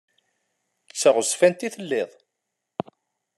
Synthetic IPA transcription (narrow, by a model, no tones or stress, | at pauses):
t͡sːəʁʊsfænt̪iθəlːɪðˤ